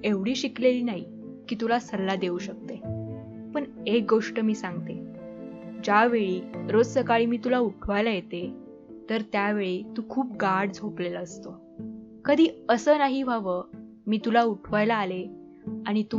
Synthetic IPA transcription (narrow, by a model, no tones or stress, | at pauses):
eʋɽiːɕikleliːnaɦi | kiːt̪ulasəɾlad̪euːɕək̚t̪e | pəɳek̚ɡoʂʈəmiːsaŋɡ̚t̪e | d͡ʑjaʋeɭiːɾod͡zsəkaɭiːmiːt̪ulauʈʰʋajlajet̪e | t̪əɾt̪jaʋeɭiːt̪uːkʰuːp̚ɡaɽd͡zʱoplelaəst̪o | kəd̪ʱiːəsəːnaɦibʱaʋə | miːt̪ulauʈʰʋajlaːle | aɽ̃it̪u